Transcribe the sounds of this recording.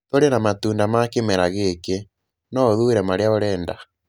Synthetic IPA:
toɾenamatuːndamakemɛɾaɣeke | nɔðuɾɛmaɾeaoɾɛːnda

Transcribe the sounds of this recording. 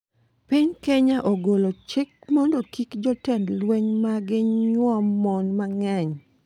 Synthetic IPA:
pɪɲkeɲaʔoɡolot͡ʃɪk̚mɔndokikd͡ʒɔtɛndlweɲmaɡɪɲɲwɔmːɔnmaŋɛɲ

